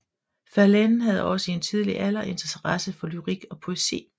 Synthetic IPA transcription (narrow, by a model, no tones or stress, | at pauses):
fæɐlennɦæð̞ˠɒ̽səe̝nt͡sʰið̞ˠlḭʔælɐʔe̝nt͡sʰɐt͡sʰɐʁɑsəfɒ̽lyʁiɡ̥ɒ̽pʰo̝e̝sḭː